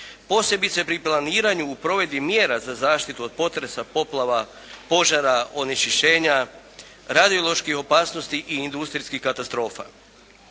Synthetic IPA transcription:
po̞se̞bit̪se̞pɾiplˠaniːɾaɲuːpɾo̞ʋe̞d̪imjeːɾazazaːʃt̪it̪uod̪̚po̞t̪ɾe̞sapo̞plˠaʋa | po̞ʒaɾaʔo̞niʃiʃe̞ːɲa | ɾad̪io̞lˠo̞ʃkixo̞paːsnost̪iʔiːnd̪ust̪ɾiskixkat̪ast̪ɾo̞ːfa̰

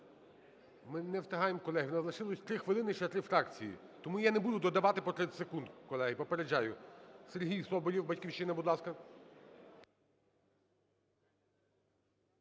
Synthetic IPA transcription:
mɪnɛwt̪ɐɦɑjemkɔlˠɛɦɪwnɐzlˠɐʃɪlˠɔsʲt̪ɾɪxʋɪlˠɪnɪt͡ʃɛt̪ɾɪfɾɑkt͡sʲijḭt̪ɔmujanebud̪ʊd̪ɔd̪ɐʋɑt̪ɪpɔt̪ɾesekund̪kɔlˠɛɦɪpɔpeɾed͡ʒːajʊserɦʲijsɔbɔlʲiwbɐtʲkʲiwʃɪnɐbud̪lˠɑskɐ

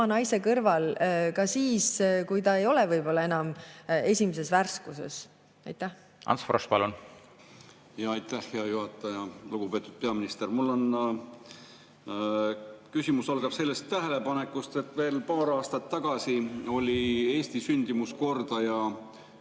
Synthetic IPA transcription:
ɑnɑjse̞kɤrvɑlkɑsiːskujt̪ɑe̞jo̞lɛvɤjb̥o̞lːɑe̞nɑme̞sʲimese̞sværskuse̞̰s | ɑjt̪ːæh | ʔɑ̰nsfrospɑlun | jɑɑjt̪ːˑæhːeɑjuɦɑt̪ːˑɑjɑluɡ̥upe̞ːt̪ːˑud̪̥̚pe̞ɑminist̪ermulːo̞n | kysʲimusɑlɡ̥ɑpse̞lːest̪ːæɦelepɑnekːˑust̪e̞t̪ːˑve̞ːlpɑːɾɑːst̪ɑt̪ːɑɡ̥ɑsio̞lʲie̞ːsʲt̪isynʲd̪̥imusko̞rd̪̥ɑjɑ

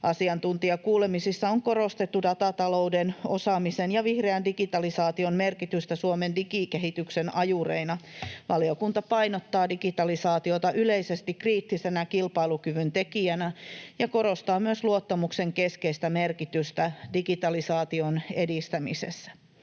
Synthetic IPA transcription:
ʔɑsiɑnt̪unt̪iɑkuːlemisisːɑoŋko̞ɾost̪et̪ːudɑt̪ɑt̪ɑloudenosɑmisenjɑʋihreændikit̪ɑlisɑːt̪ionmerkit̪yst̪æsuomendikikeɦit̪yksenɑjurḛinɑʋɑliokunt̪ɑpɑinot̪ːɑːdikit̪ɑlisɑːt̪iot̪ɑʔyleisest̪ikriːt̪ːisenækilpɑilukyʋynt̪ekiænæjɑko̞ɾost̪ɑːmyøsluot̪ːɑmukseŋkeskeist̪æmerkit̪yst̪ædikit̪ɑlisɑːt̪ionedist̪æmisḛsːæ̥

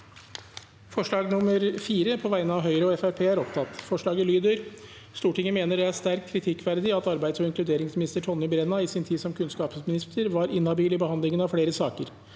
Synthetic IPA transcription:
fɔʂɭɑːɡnʊməɾfiːɾəpʰɔʋæɪnəɑʋɦœʏɾəɔɛfæɾpʰeːæɾɔpt̪ʰɑt̪ːfɔʂɭɑːɡəlyːd̪œɾ | st̪uːʈɪŋəmeːnəɖɛæʂt̪æɾktkʰːɾɪt̪ʰɪkːʋæɾd̪ɪɑt̪ɑɾbæɪd̪sɔɪŋklʉd̪eːɾɪŋsmɪnɪst̪əʈʰɔnːəbɾɛnːɑɪsɪnt̪ʰiːd̪sɔmkʰʉnskɑːpsmɪnɪst̪ʰəɾʋɑɾɪnɑbiːlɪbəhɑnd̪lɪŋənɑʋfɽeːɾəsɑːkəɾ

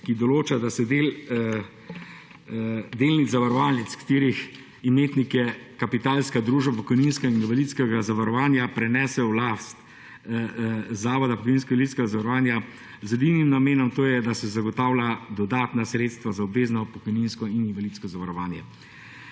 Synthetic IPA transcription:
kid̪ɔloːt͡ʃad̪asɛd̪eːl | d̪eːlnizaʋaɾɔʋaːlɛt̪skḁt̪iːɾix | imeːt̪nikjɛkapit̪aːlskad̪ɾuːʒbapɔkɔjninskaininvalit̪skɛɡazaʋaɾɔʋaːnjapɾɛnɛːsɛwlast̪ | zaːʋɔd̪apɔkɔjninskɔɡalit̪skɛɡazaʋaɾɔʋaːnja | zɛd̪inimnameːnɔmt̪oːjɛd̪asɛzaɡɔt̪aːwlad̪ɔd̪aːt̪nasɾet̪st̪ʋazaɔbʋeːznɔpɔkɔjninskɔininvalit̪skɔzaʋaɾɔʋaːnjɛ

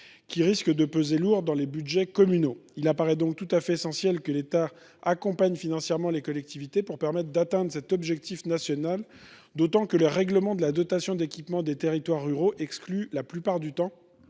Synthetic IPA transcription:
kʲiʁiskəd̪əpøzeluʁd̪ɑ̃lebyd̪ʒɛkɔmynoilapaʁɛd̪ɔ̃k̚t̪ut̪afɛesɑ̃sjɛlkəlet̪a | akɔ̃paɲfinɑ̃sjɛʁmɑ̃lekɔlɛk̚t̪ivit̪epuʁpɛʁmɛt̪χd̪at̪ɛ̃d̪ʁəsɛt̪ɔbʒɛk̚t̪ifnasjɔnal | d̪ot̪ɑ̃kələʁɛɡləmɑ̃d̪əlad̪ɔt̪asjɔ̃d̪ekʲipmɑ̃d̪et̪eʁit̪waʁːyʁoʔɛksklylaplypaʁd̪yt̪ɑ̃

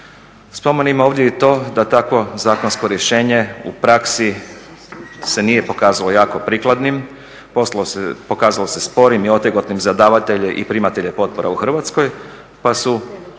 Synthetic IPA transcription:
spo̞menimo̞ːʋd̪ʲjeet̪o̞ːd̪at̪akʋo̞zaːkonsko̞ɾje̞ʃe̞ːɲe̞ṵpɾaksi | se̞nije̞po̞kaːzalo̞jaːko̞pɾiklad̪nim | popo̞kaːzalo̞se̞spo̞ɾimio̞t̪jeɡot̪nimzad̪aːʋat̪eʎeʔḭpɾimat̪e̞ʎepo̞t̪̚po̞ɾa̰uxr̩ʋat̪sko̞j | pasu

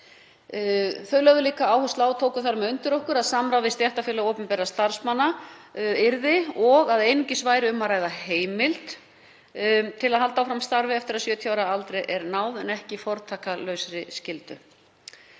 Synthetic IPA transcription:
fœɥlœɣðʏliːkaaːwhust̪laːwt̪ʰoːwkʏθaɾmɛʏnt̪ʏɾɔhkʏɾaðsamɾawðɪst̪jɛht̪afjɪɛlaowpʏmpɛːɾast̪aɾ̥smanːa | ɪɾðɪɔɣaðejnʏɲcɪsvaːjɾɪʏmːaɾaːjðaheːjmɪlt̪ | t̪ʰɪlaðhalt̪awfɾamst̪aɾvɪɛft̪ɪɾaðsjœːt̪ʰjawɾaalt̪ɾejʔɛɾnaːwðɛnɛhcɪfɔɾt̪ʰaːkalœɥsɾɪscɪlt̪ʏ

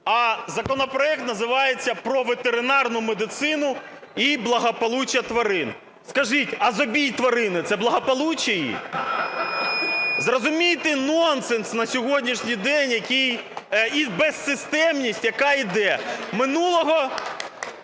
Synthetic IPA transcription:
ɐzɐkɔnɔpɾɔɛk̚t̪nɐzɪʋɑjet͡sʲːɐpɾɔʋet̪eɾɪnɑrnʊmed̪ɪt̪sɪnʊ | iblˠɐɦɐpɔlˠut͡ʃɐt̪ʋɐɾɪn | skɐʒitʲɐzɔbʲijt̪ʋɐɾɪnɪt̪sɛblˠɐɦɐpɔlˠut͡ʃɐjḭ | zrɔzʊmʲijt̪ɪnɔntsɛnsnɐsʲɔɦɔdʲnʲiʃnʲijd̪ɛnʲjɐkʲijibɛsːɪst̪ɛmnʲisʲtʲjɐkɑid̪ɛmɪnulˠɔɦɔ

